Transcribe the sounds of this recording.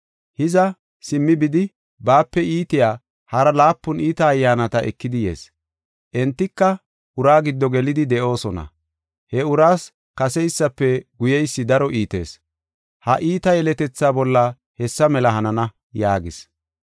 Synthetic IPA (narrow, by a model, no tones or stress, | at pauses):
hɪzɐ | sɪmːɪbɪd̪ɪ | baːpːɛʔiːt̪ɪjaː | hɐɾɐlaːpːʊniːt̪ɐːjːaːnɐt̪ɐʔɛ̰kːɪd̪ɪjḛːs | ʔɛnt̪ːɪkːɐ | ʔʊɾaːɡɪd̪ːɔɡɛlɪd̪ɪd̪ɛʔo̞ːsɔnɐ̰ | hɛʊɾaːs | kɐsɛjsːɐpːɛɡʊjɛjsːɪd̪ɐɾɔʔiːt̪e̞̰ːs | hɐʔiːt̪ɐjɛlɛt̪ɛt͡sːaːbɔlːɐ | hɛsːɐmɛlɐɦɐnɐnɐ | jaːɡɪs